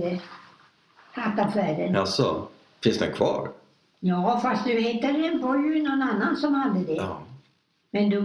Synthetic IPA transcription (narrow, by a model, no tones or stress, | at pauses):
ə | hat̪ːafæːɾənasɔ̰ | fɪnsd̪ɛ̰nkʰvɑ̰ːɾ | jɑːfast̪̚d̪ɵheːt̪ad̪ɛnbɔjɵnɔnanːansɔmhad̪ːəd̪ɛ | mɛnd̪ɵ